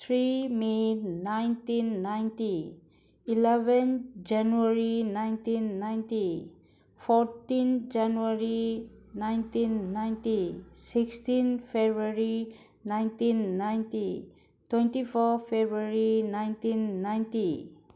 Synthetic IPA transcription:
t̪ʰɾimenajntinːajnti | ilɛbɛnd͡ʒanuaɾinajntinːajnti | pʰɔtind͡ʒanuaɾinajntinːajntisikstinpʰebɾaɾi | najntinːajnti | twɛ̃ntipʰɔpʰebɾaɾinajntinːajnti

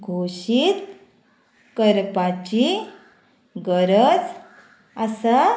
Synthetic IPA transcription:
ɡʱoɕit̪ | kəɾpat͡ɕi | ɡəɾət͡s | əsa

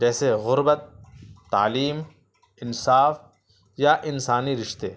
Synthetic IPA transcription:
d͡ʒɛːseɣʊɾbət̪ːa̰ːliːm | ɪnsaːf | jaʔɪnsaːniɾɪʃt̪eː

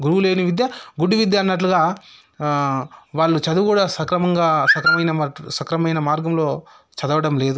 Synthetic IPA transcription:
ɡuɾuʋuleːniʋid̪jɐɡuɖːuʋid̪jaːnːɐʈluɡaː | ʋaːɭːut͡ʃɐd̪ukuːɽaːsɐkɾɐmɐŋɡaːsɐkɾɐmɐjnɐmsɐkɾɐmɐjnɐmaːɾɡɐmlo̞ː | t͡ʃɐd̪ɐʋɐɽɐmle̞ːd̪u

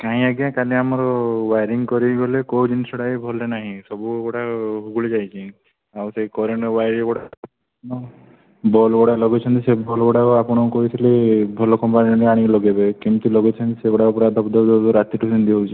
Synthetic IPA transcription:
kaɦĩaɡjakaliamɔɾɔbajɾiŋkɔɾibɔlekowd͡ʒinisɔɽajbʱɔlenaɦĩsɔbukoʈaɦuɡuled͡ʒajt͡ʃʰi | awsekɔɾeɳɔbajɾikɔɽa | nɔ | bɔlɡɔɽalɔɡet͡ʃʰɔnt̪isebʱɔlɡɔɽakuapɔɽ̃ɔkɔɦit̪ʰilebʱɔlɔkɔmpaninɔɾiaɽ̃iklɔɡebekimt̪ilɔɡet͡ʃʰɔnt̪isekɔɽaupɔɾad̪ʱɔpd̪ʱɔd̪ɔd̪ɔɾat̪iʈusind̪iowt͡ʃʰi

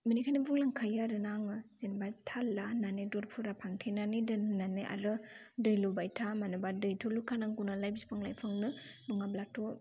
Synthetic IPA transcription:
minikʰanibuŋlaŋkʰajaɾɯnaŋɯzenbatʰalananedɔɾpʰuɾapʰaŋtʰejnanidɯnnanɯʔa̰ɾɯ | dɯjlubajtʰamanɯbadɯjtʰulukʰanaŋɡunalajbispʰaŋlajpʰɯŋnɯnuŋablatʰɔ

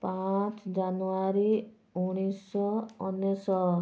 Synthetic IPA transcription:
pat͡ʃd͡ʒanuaɾi | uɽ̃isɔɔnjɔsɔ

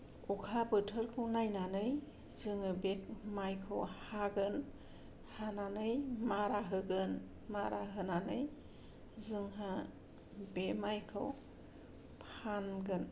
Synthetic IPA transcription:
ukʰabɯtʰɯɾkʰɯwnajnanɯj | zɯŋɯbemajkʰɯwhaɡɯn | hananɯjmaɾaɦɯɡɯn | maɾaɦɯnanɯj | zɯŋɦa | bemajkʰɯ̰w | pʰanɡɯn

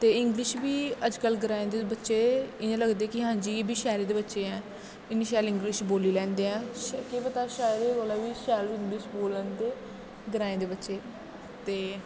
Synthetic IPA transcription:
t̪eːɪŋɡlɪʃbiːəd͡ʒkəlɡəɾaːẽːd̪eːbətːʃeːɪãːləɡd̪eːkɪɦãːɲd͡ʒiːebʱiːʃɛːɾeːd̪eːbətːʃeːɛ̃ː | ɪniːʃɛːlɪ̃ŋɡlɪʃboːliːlɛ̃ːnd̪eːɛ̃ːʃkeːpət̪aːʃaːɾeːoːlaːʋiːʃɛːlɪ̃ŋɡlɪʃboːlənt̪eː | ɡəɾaːẽːd̪eːbətːʃeː | t̪eː

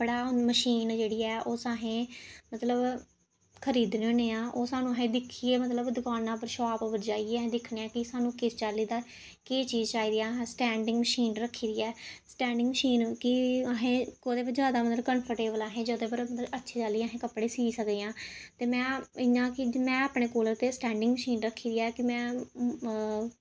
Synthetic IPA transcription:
bəɽaːməʃiːnd͡ʒeːɽiːɛːʔoːsaːɦẽːmət̪ləb | kʰəɾiːd̪nõːneːãːʔoːsaːnũːəɦẽːd̪ɪkʰːiːeːmət̪ləbd̪ʊkaːnãːp̬əɾʃaːpbəɾd͡ʒaːieːɦẽːd̪ɪkʰneãːkɪsaːnũːkɪst͡ʃaːlːiːd̪aː | keːt͡ʃiːzt͡ʃaːiːd̪iːãːɦsʈɛ̃ːɳɖɪ̃ŋɡməʃiːnɾəkʰːiːd̪iːɛːsʈɛ̃ːɳɖɪ̃ŋɡməʃiːnkɪəɦẽːkoːd̪eːbəd͡ʒjaːd̪aːmət̪ləkənpʰəɾʈeːbəlaːɦẽːd͡ʒoːd̪eːpəɾmət̪ləbətːʃʰeːd͡ʒaliːaɦẽːkəpːɽeːsiːsəkd̪eãːt̪eːmɛ̃ːɪnãːkɪmɛ̃ːaːpɳeːkoːləɾt̪eːsʈɛ̃ːɳɖɪ̃ŋɡməʃiːnɾəkʰːiːɾiːɛːkɪmɛ̃ː

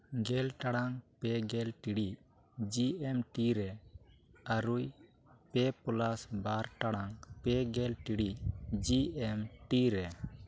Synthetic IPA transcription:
ɡɛlʈaɽaŋpɛɡɛlʈiɽiʔ | d͡ʒiɛmʈiɾɛ | aɾuj | pɛpulasbaɾʈaɽaŋpɛɡɛlʈiɽid͡ʒiɛmʈiɾɛ

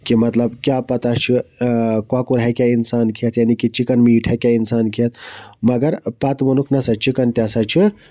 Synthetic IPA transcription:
kimɐt̪lɐbkjapɐt̪at͡ʃʰikwakuɾɦakʲjainsaːnkʰiɐt̪ʰjanikit͡ʃikənmiiʈʰakʲjainsaːnkʰiɐt̪̚ʰmɐɡɐɾpɐt̪mɐnukʰnɐsɐt͡ʃikənt̪ʲjasat͡ʃʰi

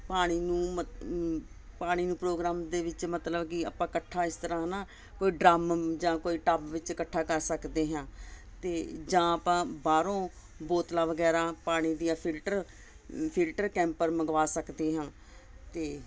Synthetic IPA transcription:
paːɽ̃iːnũːə | paːɽ̃iːnũːpɾoːɡɾaːmd̪eːʋɪt͡ʃmət̪ləbkɪa̰ːpãːkəʈʰːãːɪst̪əɾãːnãː | koːiːɖɾaːmd͡ʒãːkoːiːʈaːpʋɪt͡ʃkəʈʰːaːkəɾsəkd̪eːɦãː | t̪eːd͡ʒãːəpãːbaːɾõː | boːt̪lãːʋəɡɛːɾãːpaːɽ̃iːd̪ijãːpʰɪlʈəɾ | pʰɪlʈəɾkɛ̃ːmpəɾməɡʋaːsəkd̪eːɦãː | t̪eː

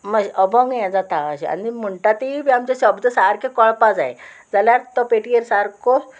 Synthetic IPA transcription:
məɕʔəbɔŋɡjɛ̃d͡zat̪aəɕea̰niməɳʈat̪iiʋiamt͡ɕaɕəbd̪əsaɾkekəɭpad͡zae | d͡zaljaɾt̪ɔpeʈiəɾsaɾko

